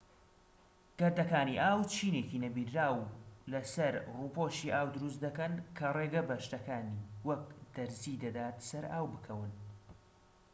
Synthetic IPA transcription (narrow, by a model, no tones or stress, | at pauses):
ɡ̥ɐɾd̪ɐkaːniʔaːwt͡ʃʰiːneciːnɐbiːɾːaːwlɐsɐɾruːpoʃiʔaːwd̪ʊɾus̬t̪̚d̪ɐkɐnkʰɐreɡɐbɐʃt̪ɐkaːniːwɐk̚d̪̥ɐɾziːd̪ɐd̪aːt̪sɐɾaːwbɨkʰɐwɨn